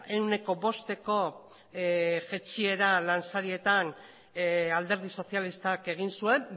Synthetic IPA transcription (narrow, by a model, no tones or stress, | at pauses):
e̞wne̞ko̞bo̞st̪e̞ko̞ | ʝe̞t͡sie̞ɾalansaɾie̞t̪an | ald̪e̞ɾð̞iso̞θjalist̪ake̞ɣ̞insue̞m